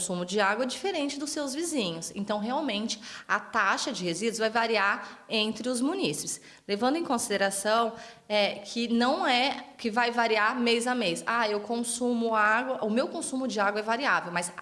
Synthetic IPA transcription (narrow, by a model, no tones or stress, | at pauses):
sũmʊd͡ʒɪaɡwɐɛd͡ʒifeɾẽnt͡ʃɪd̪ʊsːewzvizĩɲʊsḛ̃nt̪ɐ̃w̃ɦeawmẽnt͡ʃɪ̥ɐt̪aʃɐd͡ʒɪhezid̪ʊzvajvaɾiaɾẽnt̪ɾɪʊzmũnisi̥pɪ̥s | levɐ̃nd̪ʊẽkõsid̪eɾasɐ̃w̃ | ɛkʰɪnɐ̃w̃ɛkɪvajvaɾiaɾmejzamesaewkõsũmʊaɡwɐʔʊmewkõsũmʊd͡ʒɪaɡwɐɛvaɾia̰vewmɐz